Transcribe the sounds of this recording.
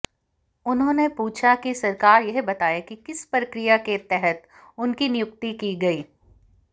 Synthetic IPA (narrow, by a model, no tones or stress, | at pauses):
ʊnɦõːnepuːt͡ʃʰakisɐɾkaːɾjɛɦbɐt̪aːjakikɪspɾɐkɾijaket̪ɛɦət̪ | ʊnkinɪjʊk̚t̪ikiɡɐiː